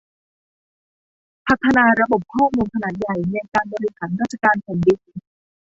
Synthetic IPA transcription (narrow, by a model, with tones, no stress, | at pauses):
pʰa˨˩t̪ʰːa˧naː˧ɾa˧bo˨˩p̚kʰɔː˥˩muː˧nkʰa˧naː˨˩t̪̚ja˨˩jnɛ˧kaː˧nbɔː˧ɾi˧haː˩˦nɾaː˥˩t̪̚t͡ɕa˧kaː˧npʰa˨˩˦ndi˧˩